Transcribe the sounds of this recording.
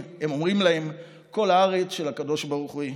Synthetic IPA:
emomʁimlahe̞m | ko̞laaʁet͡sʃelakad̪o̞ʃbaʁuχui

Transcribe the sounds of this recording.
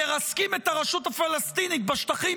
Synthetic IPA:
eʁaskimet̪aʁaʃut̪hafalast̪init̪̚baʃt̪aχi

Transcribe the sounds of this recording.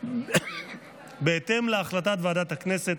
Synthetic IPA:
beet̪e̞mleaχlat̪̬at̪vead̪at̪akne̞set

